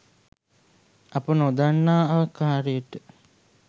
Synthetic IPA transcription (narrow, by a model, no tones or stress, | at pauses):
ɐpənod̪anːaːaːkaːɾəjəʈə